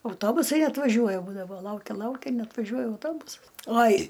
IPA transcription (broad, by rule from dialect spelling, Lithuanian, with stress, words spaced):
ɐʊˈtoːbʊsɐɪ ɐtʋɐˈʒʲuɔjɛ ˈbuːdɐʋoː ˈlˠɐʊkʲɛ ˈlˠɐʊkʲɛ nʲɛɐtʋɐˈʒʲuɔjɛ ɐʊˈtoːbʊsɐs ˈoːj